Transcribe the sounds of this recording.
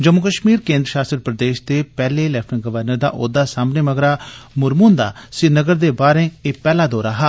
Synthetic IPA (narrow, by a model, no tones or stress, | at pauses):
d͡ʒəmːʊkəʃmiːɾkẽːnd̪ɾəʃaːstəɾpɾəd̪eːʃd̪eːpɛːleːlɛpʰʈəŋɡəʋəɾnəɾd̪a̰ːʔoːd̪aːsaːmneːməɡɾaːmʊɾmuːnd̪a̰ːsɪnəɡəɾd̪eːbaːɾẽːeːpɛːlaːd̪oːɾaːɦaː